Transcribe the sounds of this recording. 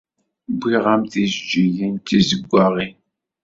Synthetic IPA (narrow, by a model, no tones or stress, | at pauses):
bʷiʁamθizd͡ʒijint̪ːizəɡʷːaʁi